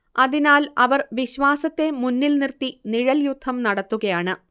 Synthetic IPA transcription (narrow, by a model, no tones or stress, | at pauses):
ɐðinaːlɐʋɐrʋiɕʋaːsɐt̪ːe̞munːilnirt̪iniɻɐljud̪ʱːɐmnɐɽɐt̪ːuɣɐjaːɳɨ